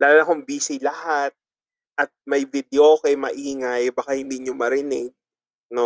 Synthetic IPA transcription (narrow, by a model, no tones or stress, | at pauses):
laːlonɐkoŋbiːsɪjlɐhat̪̚ | ʔɐt̪̚mɐjvɪd̪ɪokejmɐʔiːŋajbakahɪnd̪iɲomɐɾɪnɛɡ̚ | no